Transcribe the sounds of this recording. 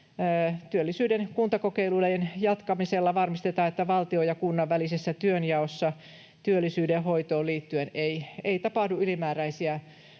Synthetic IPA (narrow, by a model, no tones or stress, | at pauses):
t̪yølːisyːdenkunt̪ɑkokeiluleenjɑt̪kɑmiselːɑʋɑrmist̪et̪ɑːet̪ːæʋɑlt̪iojɑkunːɑʋːælisesːæt̪yønjɑosːɑ | t̪yølːisyːdehoit̪oːliːt̪ːyeneieit̪ɑpɑhduylimæːræisiæ